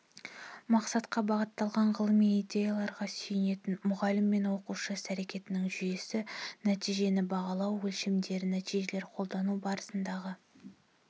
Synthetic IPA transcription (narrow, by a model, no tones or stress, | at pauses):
mɑqsɑt̪qɑbɑʁət̪ːɑlˠʁɑɴʁəlˠəmijid̪ʲe̞jɑlˠɑɾʁɑsɵjɪne̞t̪ɪnmʊʁɑlɪmːe̞nwo̞quʃəsæɾe̞kʲe̞t̪ɪnɪŋʒʏje̞sɪnæt̪ijʒe̞nɪbɑʁɑlˠɑwːɵlʃɪmd̪e̞ɾɪnæt̪ijʒe̞le̞ɾqʰo̞lˠd̪ɑnubɑɾəsənd̪ɑʁə